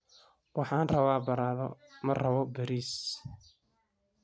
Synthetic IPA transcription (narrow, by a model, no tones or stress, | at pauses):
wɑħɑːnrɐβaːbɐɾaːðɔ̰mɐrɐβɔbɐɾiːs